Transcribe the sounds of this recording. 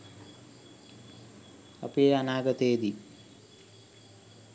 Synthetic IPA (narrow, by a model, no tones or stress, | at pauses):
a̰pieanaːɡət̪ejːd̪i